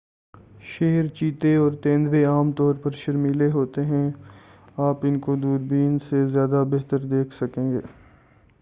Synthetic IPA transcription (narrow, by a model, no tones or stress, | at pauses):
ʃeːɾt͡ʃiːt̪eɔːɾt̪ẽːnd̪ʋeaːmt̪ɔːɾpɐɾʃɐɾmiːleɦoːt̪eɦɛ̃ | aːpɪnkod̪uːɾbiːnsezjaːd̪abɛɦt̪əɾd̪eːkʰsɐkẽːɡeː